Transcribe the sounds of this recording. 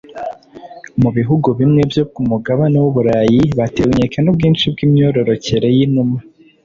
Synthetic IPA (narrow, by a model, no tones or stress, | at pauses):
muβiɦuɡuβimŋe̞bjokumuɡaβanewuβuɾaːjiβateɡuɲekanubɡiːnʃibɡimɲo̞ːɾo̞ɾo̞ce̞ɾe̞jinuma